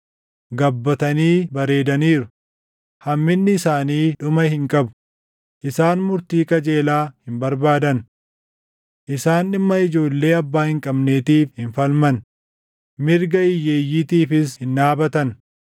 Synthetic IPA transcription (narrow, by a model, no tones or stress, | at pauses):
ɡɐbːɐt̪ɐniːbɐɾe̞ːd̪ɐniːɾʊ | hɐmːɪnːɪɪsaːniːᶑʊmɐhɪŋkʼɐbʊ̥ | ʔɪsaːnmʊɾt̪iːkʼɐd͡ʒe̞ːlaːhɪmbɐɾbaːd̪ɐn | ʔɪsaːnɪmːɐɪd͡ʒo̞ːlːe̞ːɐbːaːhɪŋkʼɐbne̞ːt̪iːfhɪnfɐlmɐn | mɪɾɡɐɪjːeːjːit̪iːfɪshɪnːaːbɐt̪ɐn